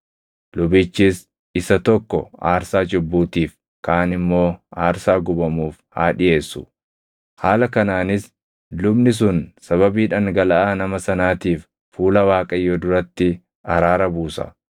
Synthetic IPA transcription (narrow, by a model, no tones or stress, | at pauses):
lʊbɪːt͡ʃːiːs | ɪsɐt̪ɔkːɔ̰aːɾsaːd͡ʒʊbːuːt̪iːf | kaːnɪmːo̞ːaːɾsaːɡʊbɐmuːfhaːᶑɪʔe̞ːsːʊ̥ | haːlɐkɐnaːnɪs | lʊbnɪs̬ʊnsɐβɐbiːᶑɐŋɡɐlɐʔaːnɐmɐsɐnaːt̪iːf | fuːlɐwaːkʼɐjːod̪ʊɾɐt̪ːɪ | ɐɾaːɾɐbuːsɐ̰